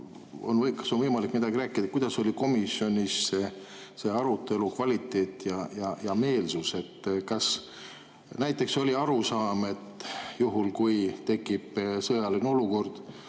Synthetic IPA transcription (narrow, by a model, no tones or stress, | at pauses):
o̞̰nɤkɑ̥sonvɤjmɑlikmid̪̥ɑɡiɾæːkːˑid̪̥ɑkujd̪̥ɑso̞lʲiko̞misjo̞nʲisːe | se̞ɑɾut̪ːˑe̞lukvɑlit̪ːˑe̞ːt̪ːˑjɑjɑjɑme̞ːlsuse̞t̪ːkɑs | næjt̪ˑːe̞kso̞lʲiɑɾusɑːme̞t̪ːjuɦulkujt̪e̞kːˑibsɤjɑlino̞luko̞rd̪̥